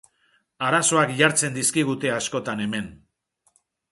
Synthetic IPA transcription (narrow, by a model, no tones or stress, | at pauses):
aɾaso̞akʎaɾt͡se̞nd̪iskiɣ̞ut̪e̞asko̞t̪ane̞me̞n